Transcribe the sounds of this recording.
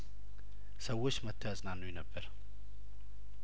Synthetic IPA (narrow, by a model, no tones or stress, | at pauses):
səwːot͡ʃːmət̪ʰːəat͡sʼnanːujnəbːəɾ